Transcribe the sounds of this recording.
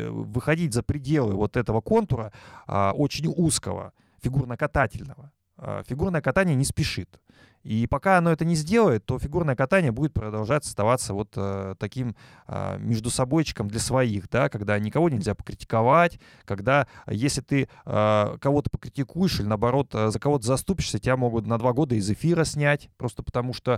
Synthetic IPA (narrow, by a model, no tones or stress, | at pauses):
vɨxɐdʲitʲzəpɾʲɪdʲe̞lˠɨvo̞t̪ɛt̪əvəko̞nt̪ʊɾəə̰ʔot͡ɕɪnʲuskə̰və̰ | fʲɪɡurnəkɐt̪atʲɪlʲnəvə | ə̰fʲɪɡurnəjəkɐt̪anʲɪjənʲɪspʲɪʂɨt̪ | ipɐkaɐnoɛt̪ənʲɪzʲdʲe̞lˠəjɪt̪ːo̞fʲɪɡurnəjəkɐt̪anʲɪjəbudʲɪt̪̚pɾəd̪ɐlˠʐatʲɐ̥st̪ɐvat̪sːəvo̞t̪əːɐkʲim | ə̰mʲɪʐd̪ʊsɐbo̞jt͡ɕːɪ̥kəmd̪lʲɐsvɐixd̪akɐɡd̪anʲɪkɐvo̞nʲɪlʲzʲapə̥kɾʲɪtʲɪ̥kɐvatʲ | kɐɡd̪ajesʲlʲɪt̪ɨə̰kɐvo̞t̪ə̥pəkɾʲɪtʲɪkujɪʂɨlʲɪnəɐbɐɾo̞t̪ːzəkɐvo̞t̪əzɐst̪upʲɪʂsʲətʲɪbʲamo̞ɡʊt̪nɐd̪vaɡo̞d̪əɪzɨfʲiɾəsʲnʲætʲpɾo̞st̪əpə̥t̪ɐmuʂt̪o